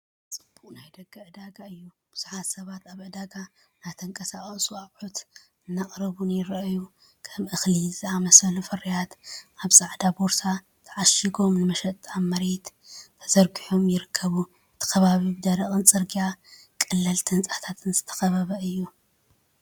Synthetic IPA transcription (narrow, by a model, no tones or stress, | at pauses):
t͡sʼɨb̥uqʼnajd̪ɐɡʼːɐʕɨd̪aɡaɨjːu | b̥ɨz̥u̥ħat̪sɐβat̪aβʕɨd̪aɡa | nat̪ʰɐŋkʼɐsaχʼsuaβħut̪ | ɨnːaχʼɾɨβunjɪɾɐʔju | kʰɐmʔɨxlizɨzɨamɐsɐlufɐrijat̪ʔaβsʼaʕd̪aboɾsʰa | t̪ʰɐʕaʃiɡo̞mnɨmɐʃɐt̪ʼamɐɾet̪t̪ʰɐzɐɾɡiħomjɪɾɨkʰːɐβu | ɨt̪ʰi̥kʰɐβaβibɨd̪ɐɾɐχʼɨnt͡sʼɨɾɡija | kʼɨlːɨlt̪ʰɨnt͡sʼat̪ʰat̪ʰɨnzɨt̪ʰɐ̥xɐβaβɐɨjːu